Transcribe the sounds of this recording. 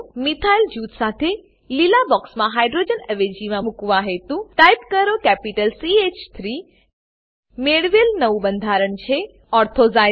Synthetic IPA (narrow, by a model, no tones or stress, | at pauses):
mit̪ʰaild͡ʒut̪sat̪ʰe | lilabɔksmãɦajɖɾod͡ʒənəʋed͡ʒimãmũkʋãɦet̪ũʈajpkəɾokɛpiʈəlsiet͡ʃt̪ʰɾi | meɽʋelnəʋũbənd̪ʱaɾəɳt͡ʃʰe | ɔɾt̪ʰoza